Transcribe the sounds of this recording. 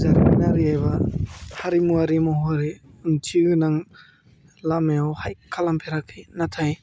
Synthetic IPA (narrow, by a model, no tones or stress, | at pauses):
zaɾinaɾiajbahaɾimuaɾimɔhuaɾi | ɯntʰiɯnaŋ | lameawhajkʰalampʰeɾakʰijnatʰaj